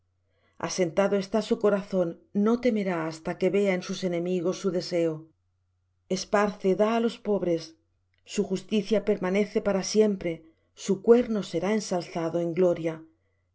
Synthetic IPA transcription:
a̰se̞nt̪aðoe̞st̪asuko̞ɾaθo̞nːo̞t̪e̞me̞ɾaːst̪ake̞βe̞ae̞nsuse̞nẽ̞miɣo̞sːuðe̞se̞o | e̞spaɾθe̞ðaːlo̞spo̞β̞ɾe̞sː | uxust̪iθjape̞ɾmane̞θe̞paɾasje̞mpɾe̞ | sukwe̞ɾno̞se̞ɾae̞nsalθaðo̞e̞ŋɡlo̞ɾja

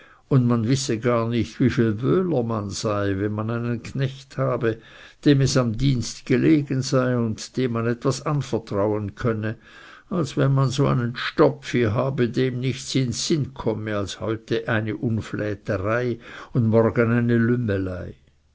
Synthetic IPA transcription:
ʊndmanvɪsəɡaːɐnɪçtviːfiːlvøːləmanz̥aɪvɛnmanaɪnənkʰnɛçthaːbəd̥eːmɛsamdiːnstɡ̥eleːɡənzaɪʊntd̥eːmanɛtv̥asanfəɐtʁ̥aʊənkʰœnə | alsvɛnmanzoːa̰ɪnənʃtɔpfiɦaːbədeːmnɪçtt͡sɪnsɪnkʰɔməalshɔ̰ʏtəʔaɪnəʔʊnflɛːtəʁaɪʊndmɔrɡənaɪnəlʏməlaɪ

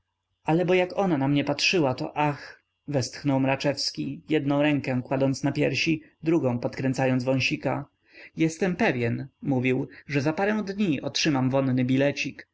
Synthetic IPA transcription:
alɛbɔjakɔnanamɲɛpatʂɘwat̪ɔ̰ʔax | vɛst̪xnɔwmɾat͡ʂɛfskʲijɛd̪nɔ̃w̃ɾɛŋkɛ̃kwad̪ɔnt̪snapʲjɛɾɕi | d̪ɾuɡɔ̃w̃pɔt̪kɾɛnt̪sajɔnzvɔ̃j̃ɕika̰ | jɛst̪ɛmpɛvʲjɛnmuvʲiwʐɛzapaɾɛw̃d̪ɲiɔtʂɘmamvɔnːɘbʲilɛt͡ɕik

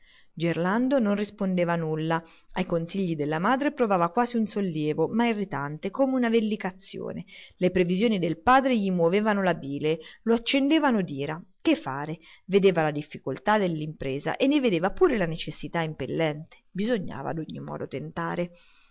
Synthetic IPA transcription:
d͡ʒerland̪ononrispond̪eːvanulːa | ajkonsiʎːid̪elːamaːd̪ɾepɾovaːvakwaːziunsolːjɛːvomairːit̪ant̪ekoːmeunavelːikat̪sːjo̰ːnelepɾevizjoːnid̪elpaːd̪ɾeʎimwoveːvanolabiːleloat͡ʃːend̪eːvanod̪iːɾak̟efːa̰ːɾeved̪eːvalad̪ifːikolt̪ad̪elːimpɾeːza̰ʔenːeved̪eːvapuːɾelanet͡ʃesːit̪aimpelːɛnt̪e̥bizoɲːa̰ːva̰d̪oɲːimɔ̰ːd̪ot̪ent̪aːɾe

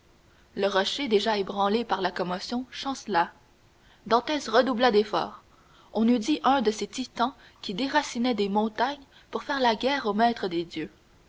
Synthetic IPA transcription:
ləʁɔʃed̪eʒaebʁɑ̃lepaʁlakɔmɔsjɔ̃ʃɑ̃sla | d̪ɑ̃t̪ɛsʁəd̪ublad̪efɔ̰ːʁ | ɔ̃nyd̪iʔœ̃d̪əset̪it̪ɑ̃ | kʲid̪eʁasinɛd̪emɔ̃t̪aɲ | puʁfɛːʁlaɡʲɛːʁomɛːt̪χəd̪ed̪jø

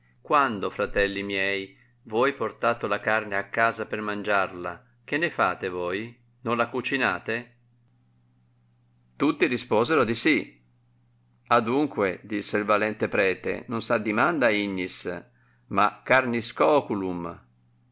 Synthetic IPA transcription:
kwand̪ofɾat̪ɛlːimjɛj | vɔjport̪aːt̪olakarneakːaːzapermand͡ʒarla̰ | k̟enːefa̰ːt̪evoːj | nõnlakut͡ʃinaːt̪e | t̪ut̪ːiɾispoːzeɾod̪isi | ad̪uŋkwed̪isːeilvalɛnt̪epɾɛːt̪ḛnonsad̪ːimand̪aiɲːis | ma̰kːarniskɔːkulum

